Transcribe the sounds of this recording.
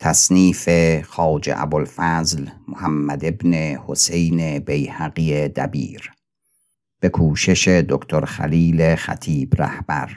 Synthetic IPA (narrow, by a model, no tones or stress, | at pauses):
t̪ʰæsniːfexɒːd͡ʒḛʔæ̰bolfæzlmohæmːæd̪e̞bnehose̞jnebejhæɣiːed̪æbḭːɾ | b̥e̞kʰuːʃe̞ʃe̞d̪okt̪ʰoɾxæ̰liːlexæ̰t̪ʰiːbɾæ̰hb̥æ̰ɾ